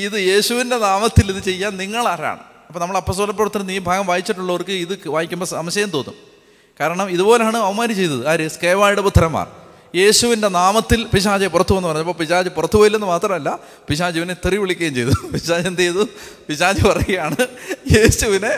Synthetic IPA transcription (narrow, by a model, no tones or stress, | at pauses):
iðɨje̞ːɕuʋinde̞naːmɐt̪ːiliðɨt͡ɕe̞jːaːnniŋːɐɭara̰ːɳɨ̰ | ɐpːoːnɐmːɐɭɐpːoːs̬t̪oːlɐpːorɐt̪ːɐɾɐniːbʱaːɡɐmʋaːjit͡ɕːiʈːuɭːɐʋɐrkɨiðɨʋaːjikʲːumbosɐmɐɕjɐjɐmt̪o̞ːnːum | kaːɾɐɳɐmiðubo̞ːleaːɳɨɐʋɐmaːɾit͡ɕe̞jt̪ːɐðɨaɾɨskeːʋaːjiɽput̪ʰːɐɾɐmːa̰ːr | je̞ːɕuʋinde̞naːmɐt̪ːilpiɕ̬aːd͡ʑɐpurɐt̪ːuɐenːɨpɐrɐɲːɐpːoːpiɕaːd͡ʑɨpurɐt̪ːuɣoːjilːenːɨmaːt̪rɐmɐlːɐ | piɕ̬aːd͡ʑiʋinet̪ːiriʋiɭikʲːɐɣjɐːmt͡ɕe̞jt̪ɐðpiɕaːd͡ʑɐend̪ejɐðupiɕaːd͡ʑɨpɐrɐjejaːɳɨje̞ːɕuʋine̞